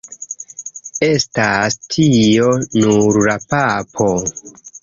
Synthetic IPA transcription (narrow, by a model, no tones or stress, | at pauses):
e̞stastʰio̞nuɾlapapʰo̞